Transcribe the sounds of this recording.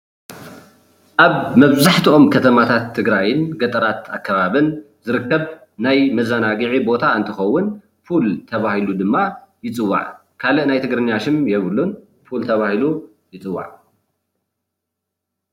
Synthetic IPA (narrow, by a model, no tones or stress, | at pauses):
ʔaβmɐβzaħt̪ʰiʔo̞mkʰɐt̪ʰɐmat̪ʰat̪ʰːɨɡɾajɪnɡɐt̪ʼɐɾat̪akʰːaβaβɨn | zɨɾɨkːɐβ | najmɐzanaɡɨʕibo̞t̪ʰaɨnt̪ʰɨxɐwːʊn | fult̪ʰɐβahilud̪ɨmːajɪt͡sʼɨwːa̰ʕ | kʰalɨʔnajt̪ʰɨɡɾɨnːjaʃɪmjɛβɨlːun | fult̪ʰɐβahilu | jɪt͡sʼɨwːa̰ʕ